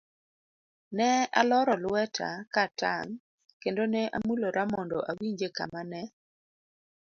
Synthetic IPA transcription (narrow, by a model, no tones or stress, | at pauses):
nɛa̰lɔɾɔlwɛtʰa̰kata̰ŋ | kendoneʔamuloɾamɔndɔʔawiɲd͡ʒeka̰manɛ